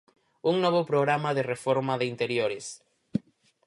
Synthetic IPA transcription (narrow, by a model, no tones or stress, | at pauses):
uŋnɔβ̞opɾoɣɾamaðerefoɾmaðɪint̪eɾjoɾɪs